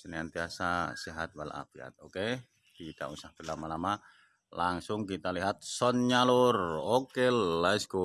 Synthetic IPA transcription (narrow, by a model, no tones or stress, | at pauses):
səniant̪iasasiɦat̪̚wala̰pia̰t̪̚oke | kit̪a̰usahpərlamalama | laŋsʊŋkit̪aliɦat̪̚sɔnɲalʊrokelːaisko